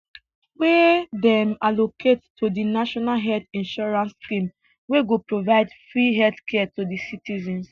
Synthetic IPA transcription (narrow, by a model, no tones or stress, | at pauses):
wedɛ̃malokʰettʰːodinaʃɔnalɦɛltĩnʃɔɹãnskĩm | weɡopɹovaɪdfɹiɦɛdkʰɛtodisitizɛ̃ns